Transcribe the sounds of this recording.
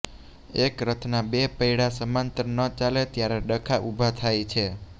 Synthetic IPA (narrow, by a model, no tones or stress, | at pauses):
ekɾət̪ʰnabepəjɽasəmant̪əɾnət͡ʃalet̪jaɾeɖəkʰaʔubʱat̪ʰajt͡ʃʰe